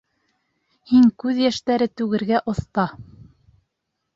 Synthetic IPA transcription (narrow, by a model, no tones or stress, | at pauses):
hiŋkʉðjæʃt̪æɾɘt̪ʉɡɘ̆ɾɡæʔŏθt̪ɑ